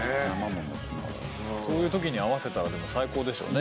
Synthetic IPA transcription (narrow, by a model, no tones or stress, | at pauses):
amanõnd̪at̪aa̰ɾ̰ | so̞ːjɯ̟ːt̪o̞k̬ʲiɲ̟iaβ̞ase̞t̪aɾad̪emo̞saiko̞ːd̪e̞ɕo̰ːne